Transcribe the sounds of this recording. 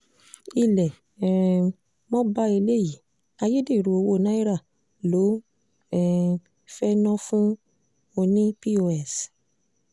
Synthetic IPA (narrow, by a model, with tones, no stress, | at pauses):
i˧lɛ˨ | ɛ | mɔ̃˦ba˦e˧le˦ji˨˦ | a˧je˦de˦˨ɾu˨˧o˧˨wo˦˨nã˦i˦ɾa˦˨ | lo˨˦ | ɛ˦˨ | fɛ˦nɔ̃˦fũ˦ | o˧nĩ˦pi˦o˧ɛ˦˨s